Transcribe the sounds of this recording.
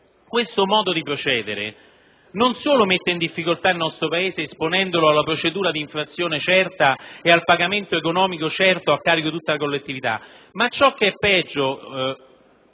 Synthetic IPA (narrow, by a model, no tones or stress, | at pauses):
kwest̪omɔːd̪od̪ipɾot͡ʃɛːd̪eɾḛ | nonsoːlomet̪ːeind̪ifːikolt̪ailnɔst̪ɾopaeːzeːsponɛnd̪oloalːapɾot͡ʃed̪uːɾad̪iːɱfɾat̪sːjoːnet͡ʃɛrt̪aealpaɡament̪oekonɔːmikot͡ʃɛrt̪oakːaːɾikot̪ut̪ːalakolːet̪ːivit̪a̰ | mat͡ʃːɔk̟ːeɛpːɛd͡ʒːo